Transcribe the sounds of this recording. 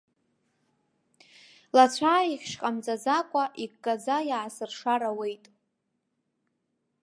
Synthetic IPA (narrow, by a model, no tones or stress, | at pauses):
lat͡ɕʷʰaːiχʲʃqʼamd͡zʼazakʷʼaʔikːʼazajaʕːsɨrʂaɾawe̞jtʼ